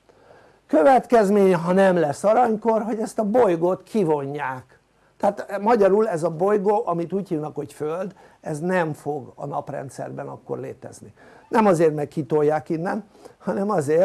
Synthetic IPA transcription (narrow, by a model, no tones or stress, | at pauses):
kø̞vɛt̪kɛzmeːɲɛɦɒnɛmlɛsːɒɾɒɲko̞rɦo̞ɟɛst̪ɒbojɡot̪kʰivo̞ɲːaːk | t̪ɛaːt̪mɒɟɒɾulɛzɒbo̞jɡoːʔɒmit̪uːɟhilnɒkho̞cføld̪ | ɛznɛmfo̞ɡɒ̰nɒprɛ̰nt̪sɛ̰rbɛnɒkːo̞̰rlḛːt̪ɛ̰zninɛmɒzeːrt̪mɛkːit̪ojːaːkinːɛn | hɒnɛmɒzeːr